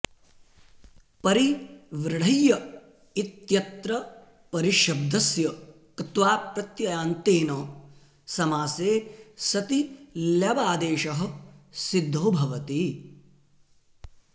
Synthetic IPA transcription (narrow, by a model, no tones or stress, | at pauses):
pɐɾiʋɾɪɽ̤ɐjːɐ | it̪jɐt̪ɾɐ | pɐɾiʃɐb̚d̪ʱɐsjɐ | kɐt̪ʋaːpɾɐt̪jɐjaːnt̪eːnɐ | sɐmaːseːsɐt̪iljɐʋaːd̪eːʃɐɦɐ̆sid̪ʱːoːbʱɐʋɐt̪i